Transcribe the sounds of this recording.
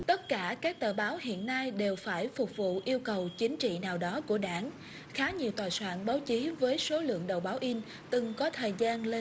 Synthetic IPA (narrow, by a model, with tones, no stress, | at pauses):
t̪ə˦˥t̚kaː˧˩kaː˦˥k̚t̪əː˧˩ɓaː˨˦whḭ˧˨ənːa˧jɗe˨˩wfaː˧˩jfʊ˨˩k͡p̚vṵ˧˨ʔi˧əwkə˨˩wt͡ɕï˨˦ŋ̟t͡ɕḭ˧˨naː˨˩wɗɔ˨˦ku˧˩əɗaː˧˩ŋ | xaː˨˦ɲi˨˩əwt̪waː˨˩jswa̰ː˧˥nɓaː˨˦wt͡ɕi˨˦vəː˨˦jso˨˦lɨ̰˧˨əŋɗə˨˩wɓaː˨˦wʔi˧n | t̪ɨ˨˩ŋkɔ˨˦t̪ʰəː˨˩jzaː˧nle˧